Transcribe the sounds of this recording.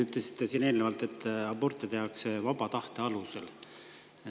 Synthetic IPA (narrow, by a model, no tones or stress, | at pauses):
yt̪lesi̥t̪ːesiːne̞ːlnevɑlt̪e̞t̪ːɑbort̪ːˑet̪e̞ɑksevɑbɑt̪ɑht̪e̞ɑluse̞l